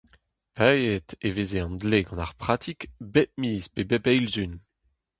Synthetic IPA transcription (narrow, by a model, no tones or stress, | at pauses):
pajet̪evezeɑ̃ndleɡɑ̃naʁpχat̪ʰikbɛp̚miːspebɛpɛjlzyn